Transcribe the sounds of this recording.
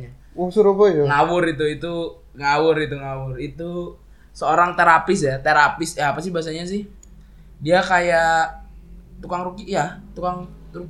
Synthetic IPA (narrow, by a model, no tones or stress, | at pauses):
a | usuɾupajŋawʊɾit̪uit̪u | ŋawʊɾit̪uŋawʊrit̪u | səoɾaŋt̪eɾapɪsjat̪eɾapɪsjaaːpasɪhbaas̬aɲas̬ɪh | diakaja | t̪ukaŋɾukijat̪ukaŋ | ɾuk